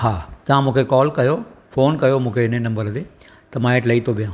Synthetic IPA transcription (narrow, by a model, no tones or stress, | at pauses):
haːt̪ɐʋ̤ãmũːkʰekɔːlkɐjofoːnkɐjomũːkʰeɪnenɐ̃mbəɾd̪eː | t̪ɐmãːeʈlɐit̪ʰobijãː